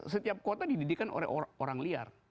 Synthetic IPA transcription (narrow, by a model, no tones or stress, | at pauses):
sət̪iap̚kot̪adididikanʔo̰lɛ̰oɾaŋlia̰r